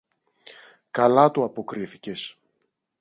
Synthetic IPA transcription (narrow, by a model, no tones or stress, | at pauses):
kɐlɐt̪uɐpo̞kɾiθice̞s